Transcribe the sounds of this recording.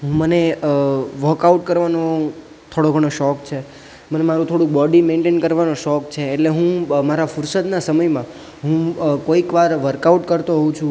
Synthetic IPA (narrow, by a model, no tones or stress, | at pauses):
ɦũməne | ʋəɾkauʈ̚kəɾʋano | t̪ʰoɽoɡʱəɽ̃oʃɔkt͡ʃʰe | mənemaɾũt̪ʰoɽũk̚bɔɖimẽɳʈenkəɾʋanoʃɔkt͡ʃʰeːʈleɦũmaɾafʊɾsət̪nasəməjmã | ɦũkoikʋaɾʋəɾkauʈkəɾt̪oɦũt͡ʃʰũ